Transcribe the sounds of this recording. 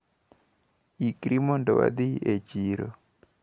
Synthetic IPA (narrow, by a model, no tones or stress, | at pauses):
ikɾimɔndɔwa̰d̪iet͡ʃiɾo